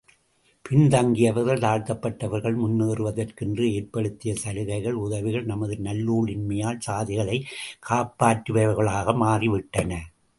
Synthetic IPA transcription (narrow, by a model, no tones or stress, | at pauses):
pɪnd̪ɐŋɡɪjɐʋɐɾɣɐɭt̪aːɻt̪ɐpːɐʈːɐʋɐɾɣɐɭmʊnːeːrɯʋɐðɐrkɪndrɯeːɾpɐɽɯt̪ːɪjɐsɐɾɯɣɐɪɣɐɭʊðɐʋɪɣɐɭnɐmɐðɯnɐlːuːɭɪnmɐjaːlsaːðɪɣɐɭɐɪkʰːaːpːaːʈːɯʋɐɐɾɣɐɭaːɣɐmaːriʋɪʈːɐnɐ